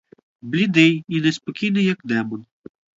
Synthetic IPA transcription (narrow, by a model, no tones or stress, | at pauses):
blʲid̪ɪjinɛspɔkʲijnɪjɐkd̪ɛmɔn